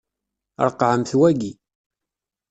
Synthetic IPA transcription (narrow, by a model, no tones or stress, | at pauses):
ɾˤqːʕəmθwæɡi